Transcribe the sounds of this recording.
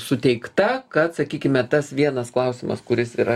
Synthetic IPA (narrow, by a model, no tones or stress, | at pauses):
sʊt̪ʲɛɪkt̪ɐkɐt̪sɐkʲiːkʲɪmʲɛt̪ɐsʋʲiɛnɐsklˠɐʊsʲɪmɐ̰skʊɾʲɪsiːɾɐ